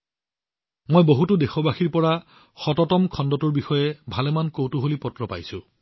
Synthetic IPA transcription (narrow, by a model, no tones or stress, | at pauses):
mojboɦutʊdexɔbaxiɹpɔɹa | xɔtɔtɔmkʰɔndɔtuɹbixɔjɛbʱalɛmankowtuɦolipɔtɹɔpa̰jsʊ